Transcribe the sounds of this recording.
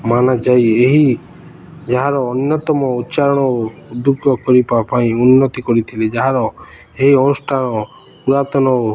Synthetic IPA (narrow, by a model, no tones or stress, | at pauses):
manad͡ʒajeɦi | d͡ʒaɦaɾɔːnjɔt̪ɔmɔut̪ːt͡ʃaɾɔɽ̃ɔod̪ukːɔkɔɾipapaĩunːɔt̪ikɔɾit̪ʰiled͡ʒaɦaɾɔ | eɦiɔnusʈʰañɔ | uɾat̪ɔnɔ